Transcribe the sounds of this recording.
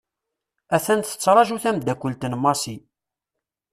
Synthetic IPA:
æθænt̪θə̥t͡sːɾˤɑʒuθæmd̪ækʷːəlt̪ənmɑsi

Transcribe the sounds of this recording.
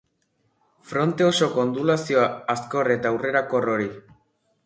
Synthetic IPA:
fɾo̞nt̪e̞oso̞ko̞nd̪ulasio̞aːsko̞re̞t̪aːwre̞ɾako̞ro̞ɾi

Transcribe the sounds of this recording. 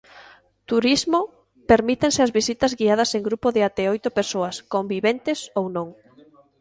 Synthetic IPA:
t̪uɾizmo | peɾmit̪ensɪazβisit̪ɐzɣiað̞ɐseŋɡɾupoðɪat̪ɛojt̪ʊpeɾsoɐskombiβent̪ɪsownõŋ

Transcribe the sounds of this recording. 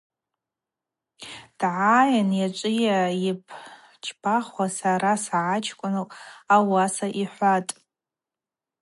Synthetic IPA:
d̥ʕajanjat͡ʃʷʼɪjaipʰ | t͡ʃʰbʰaχwasaɾasaʕat͡ʃʰkʷʼʊnɨawasaʔiħʷatʼ

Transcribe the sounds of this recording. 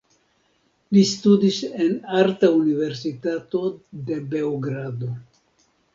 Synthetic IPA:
listudise̞naɾtaunive̞ɾs̬itato̞de̞be̞oɡɾado̞

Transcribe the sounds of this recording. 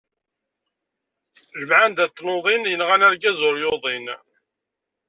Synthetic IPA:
ʒəmʕand̪æt̪ːnoðˤinjənʁanæɾɡæzʊɾjʊðˤin

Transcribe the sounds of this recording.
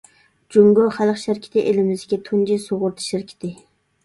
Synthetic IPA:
d͡ʒoŋɡoχælˠχʃɪɾkʲʰɪ̥t̪ʰɪʔelɪmɪzɡʲɛt̪ʰund͡ʒisoʁʊɾt̪ʰɨ̥ʃɪɾkʲʰɪ̥t̪ʰɪ

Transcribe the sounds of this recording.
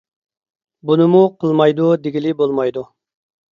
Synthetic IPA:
bunɨmuqʰəlˠmɑjd̪ud̪eɡʲilɪbolˠmɑjd̪u

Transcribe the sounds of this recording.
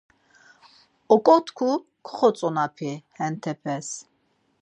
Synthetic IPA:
ɔkʼɔt̪ʰkʰu | kʰχɔt͡sʼɔnapʰihɛnt̪ʰɛpʰɛs

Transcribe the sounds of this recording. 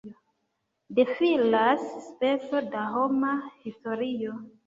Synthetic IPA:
defilasːpe̞t͡so̞daɦo̞mahisto̞ɾio̞

